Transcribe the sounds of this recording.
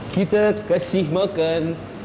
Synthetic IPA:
kit̪akəsihmakan

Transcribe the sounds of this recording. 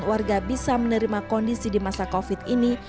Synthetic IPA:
nwarɡabisamənəɾimakɔndisidimasakofit̪̚ini

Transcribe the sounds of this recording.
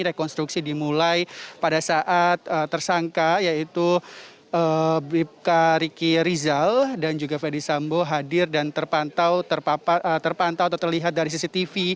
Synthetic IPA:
ɾekɔnst̪ɾuksidimulajpadasaʔat̪̚ət̪ːərsaŋkajait̪u | əbip̚kaɾikiɾizaldand͡ʒuɡafɛrdisamboɦadɪrdant̪ərpant̪awt̪ərpaət̪ərpant̪awat̪at̪ərliɦat̪̚daɾis̬isit̪ifi

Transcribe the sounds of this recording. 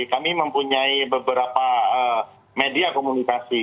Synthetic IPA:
kamiməmpuɲaibəbəɾapaə | mediakomunikasi

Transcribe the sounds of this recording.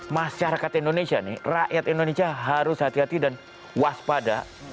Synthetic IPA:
maʃaɾakat̪indonesianɪ̰raʔjat̪indonesiaɦaɾʊshat̪iɦat̪idan | waspada̰

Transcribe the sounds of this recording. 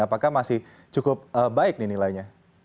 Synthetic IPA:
apakahmasɪh | t͡ʃukʊp̚əbaɪk̚nɪnilaiɲa

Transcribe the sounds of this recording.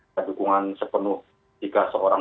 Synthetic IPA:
adukuŋansəpənʊh | d͡ʒ̥ikasəoɾa

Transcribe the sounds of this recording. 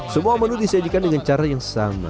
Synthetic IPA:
səmuamənudisad͡ʒikandəŋant͡ʃaɾajaŋsa̰ma̰

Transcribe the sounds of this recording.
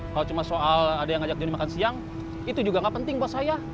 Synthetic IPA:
kalot͡ʃumasoʔaladajaŋad͡ʒak̚d͡ʒonimakansiaŋ | it̪ud͡ʒuɡaŋɡaʔpənt̪ɪŋbawat̪̚saja

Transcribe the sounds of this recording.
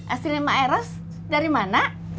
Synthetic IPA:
ʔa̰silimaɛɾɔs | daɾimana

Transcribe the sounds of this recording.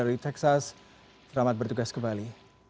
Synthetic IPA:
aɾit̪ɛksas | səɾamat̪̚bərt̪uɡaskəmbali

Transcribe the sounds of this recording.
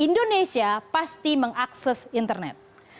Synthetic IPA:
indonesiapast̪iməŋaksɛsint̪ərnɛ̰t̪̚

